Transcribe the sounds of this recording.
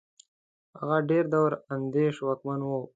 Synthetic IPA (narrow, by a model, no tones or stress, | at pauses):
aɣaɖeɾd̪awɾand̪eʃwakmanwo